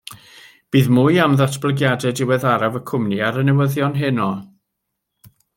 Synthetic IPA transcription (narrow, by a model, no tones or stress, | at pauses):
b̥iːðmʊjamðatʰb̥lˠəɡjadɛdɪwɛðaɾavəkʰʊmniaɾənɛwəðjɔnɦɪnɔ